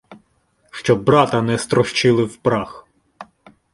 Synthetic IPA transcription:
ʃt͡ʃɔbɾɑt̪ɐnɛst̪ɾɔʃt͡ʃɪlˠɪwpɾɑx

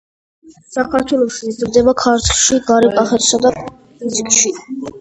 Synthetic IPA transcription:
sakʰaɾt̪ʰwɛlˠɔʃiiziɾd̪ɛbakʰaɾt̪ʰlˠʃiɡaɾɛkʼaχɛt̪ʰsad̪a | izikʼʃi

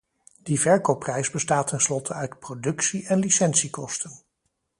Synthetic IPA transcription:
d̥ivɛɹkopːrɛjzbəstaːtʰɛnslɔtʰəœɥtprodɵksiʔɛnlisɛnsikɔstən

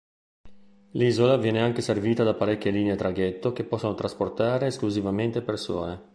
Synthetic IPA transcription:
liːzolavjɛːneaŋk̟eserviːt̪ad̪apaɾɛkʲːjeliːneet̪ɾaɡɛt̪ːok̟epːɔsːonot̪ɾasport̪aːɾeːskluzivament̪epersɔ̰ːne

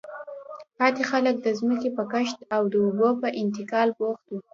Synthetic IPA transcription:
pɑt̪ixalək̚d̪əzməkepəkəʃt̪awd̪əʊbopəʔɪnt̪ɪkɑlboxt̪u

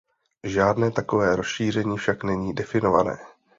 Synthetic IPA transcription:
ʒaːdnɛːt̪ako̞vɛːɾo̞sʃiːr̝ɛɲiːfʃaknɛɲiːdɛfɪno̞va̰nɛ̰ː

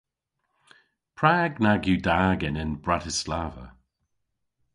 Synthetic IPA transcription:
pʰɹaːɡnaɡjudaːɡɪnɪnbɹatɪslavə̰

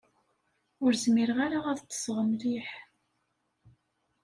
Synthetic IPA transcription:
ʊɾzmiɾʁaɾaæðət͡sːə̥sʁəmliħ

